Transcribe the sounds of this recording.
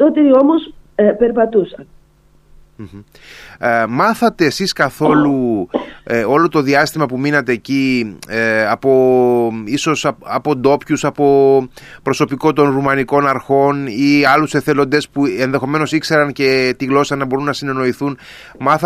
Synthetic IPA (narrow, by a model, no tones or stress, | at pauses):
t̪ot̪eomos | peɾpɐt̪usɐn | m̩ | mɐθɐt̪e̞ːsiskɐθo̞lu | o̞lo̞t̪o̞ðiɐst̪imɐpuminɐt̪e̞ːci | ɐpo̞ | iso̞sɐɐpo̞d̪o̞pçusɐpo̞pɾo̞so̞piko̞t̪o̞nɾumɐniko̞nɐɾxo̞niɐluse̞θe̞lo̞nd̪e̞spue̞nðe̞xo̞me̞no̞sikse̞ɾɐnce̞t̪iɣlo̞sɐnɐbo̞ɾunːɐsine̞no̞iθun | mɐθ